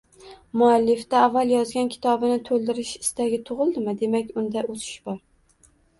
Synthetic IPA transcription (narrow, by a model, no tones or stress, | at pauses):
mʊalːɪft̪aːvːalˠjɒzɡʲankʲʰɪ̥t̪ʰɒbɪnɪt̪ʰolˠd̪ɪɾɪʃɪst̪aɡʲɪt̪ʰʊʁɨlˠd̪ɪmɪd̪e̞makʲʊnd̪aosɪ̥ʃbɒɾ